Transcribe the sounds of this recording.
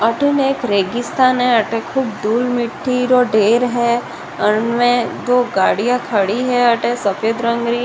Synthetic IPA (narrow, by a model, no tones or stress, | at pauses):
ɐʈəneːkɾeːɡɪst̪aːnɦɛɐʈẽkʰuːb̚d̪uːlmɪʈʰːiɾoɖeːɾɦɛː | ənmẽd͡ʒ̪oːɡaːɽijãkʰɐɽiɦɛɐʈẽsɐpjəd̪ɾə̃ŋɡɾi